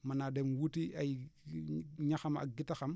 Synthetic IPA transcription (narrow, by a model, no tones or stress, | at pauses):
manademwutia | ɲaxama̰ɡitaxam